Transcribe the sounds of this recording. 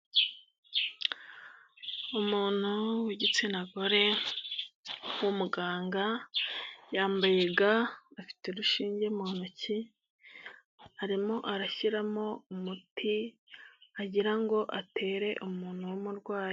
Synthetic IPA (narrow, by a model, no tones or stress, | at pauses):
umuːn̥huwiɟit͡sinaɡo̞ɾe̞ | wumuɡaːŋɡa | jaːmbaje̞ɡaːfi̥teɾuʃiːɲɟe̞munaci | aɾimo̞ʔaɾaçiɾamo̞umuti | aɟiɾaŋɡo̞ʔatʰe̞ːɾe̞ʔumuːn̥huwomuɾɡwaːji